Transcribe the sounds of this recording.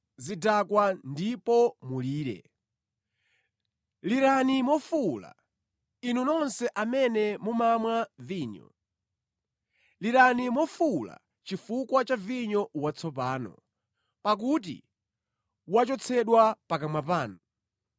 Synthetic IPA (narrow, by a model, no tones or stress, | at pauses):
zidakwandipɔmuliːɾɛ̰ | liɾanimɔfula̰ | inunɔnsɛʔamɛnɛmumamwaviːɲɔ̰ | liɾanimɔfula̰ | t͡ʃifukwat͡ʃaviɲɔwat͡sʰɔpaːnɔ̰ | pak̬ut̬ḭ | wat͡ʃɔt͡sʰɛɗwapakamwap̬aːnɔ